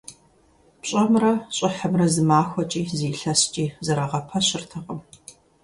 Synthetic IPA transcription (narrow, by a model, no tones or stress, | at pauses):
pɕʼɐmrɐɕʼɪħəmrɐzɨmaːxʷɔt͡ʃʼiːziːɬɐst͡ʃʼiːzɐɾɐʁɐpʰɐɕɪrtʰɐqʼəm